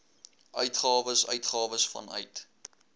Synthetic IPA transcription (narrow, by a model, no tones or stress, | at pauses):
ʔœɥtχɑːvəsœ̰ɥtχɑːvəsfɐ̰nœ̰ɥt